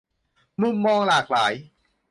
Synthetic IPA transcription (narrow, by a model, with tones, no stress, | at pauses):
mu˧˥˩mːɔː˧ŋlaː˨˩k̚laː˩˦j